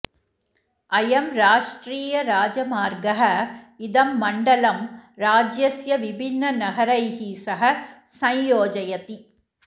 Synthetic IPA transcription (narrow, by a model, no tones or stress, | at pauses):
ɐjɐmɾaːʂʈɾiːjɐɾaːd͡ʒɐmaːɾɡɐɦɐ | ɪðɐmːɐɳɖɐlɐmɾaːd͡ʒjɐsjɐʋɪbʱɪnːɐnɐɣɐɾɐjɦisɐɦɐ | sɐ̃jjoːd͡ʒɐjɐt̪i